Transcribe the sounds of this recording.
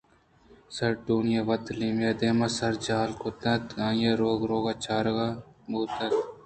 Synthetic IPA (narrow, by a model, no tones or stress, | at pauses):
sɐɾʈuːnjaʋɐt̪limed̪eːmɐsɐɾd͡ʒaːlkot̪ɐt̪ɡãːjeɾoːɡɾoːɡaːt͡ʃʰaːɾɡa | muːt̪ɐt̪